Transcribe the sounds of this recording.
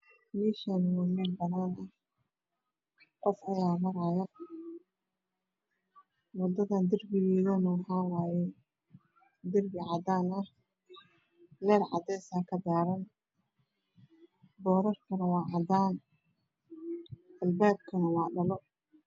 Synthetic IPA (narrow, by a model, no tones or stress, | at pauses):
miːʃɐnwamɛnbɐnaːnʔɐh | qɔfɐjaːmɐɾaːjɐ | wɔd̪ɐðɐnd̪ɪrbɪɣɛːɣɐnɐwħaːwaːjɛ | d̪ɪrbɪʕɑd̪aːnɐh | lɛːrʕɑ̰d̪ɛsaːkʰɐd̪aːɾɐn | bɔːɾɐrkʰɐnɐwɑːʕɑd̪aːn | ʔɐlbaːb̚kʰɐnɐwɑːɖɐlɔ